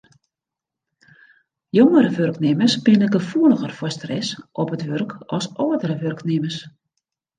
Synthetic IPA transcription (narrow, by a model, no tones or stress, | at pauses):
joŋəɾəʋørknɪməsbɪnəɡəfuələɣərfɔstrɛsʔɔpətʋørkɔsoədərəʋørknɪməs